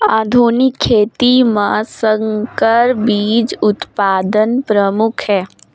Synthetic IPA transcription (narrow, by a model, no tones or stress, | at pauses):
aːd̪ʱuːnɪkʰːeːt̪imãsəŋkəɾbiːd͡ʒʊt̪paːd̪ənpɾəmʊkʰɦɛː